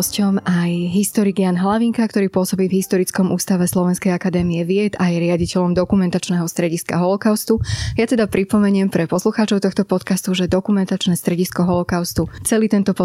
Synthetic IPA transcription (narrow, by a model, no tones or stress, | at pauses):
scɔmajɦist̪ɔɾiɡjaːnɦlaʋiŋkakt̪ɔɾiːpʊɔsɔbiːvɦist̪ɔɾit͡skɔmuːst̪aʋɛslˠɔʋɛnskɛjakad̪ɛːmiɛʋɪɛt̪ajɛɾɪaɟicɛʎɔmd̪ɔkumɛnt̪at͡ʃnɛɦɔst̪ɾɛɟiska̰ɦɔlɔkaʊst̪ujat̪ɛd̪apɾipɔmɛɲɪɛmpɾɛpɔsluxaːt͡ʃɔʊt̪ɔxt̪ɔpɔt̪kast̪uʒɛd̪ɔkumɛnt̪at͡ʃnɛːst̪ɾɛɟiskɔɦɔlɔkaʊst̪ut͡sɛliːt̪ɛnt̪ɔpɔ